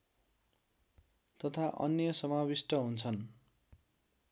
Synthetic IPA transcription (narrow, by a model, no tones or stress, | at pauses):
t̪ʌt̪ʰaʔʌ̰njʌsʌmabisʈʌɦunt͡sʰʌn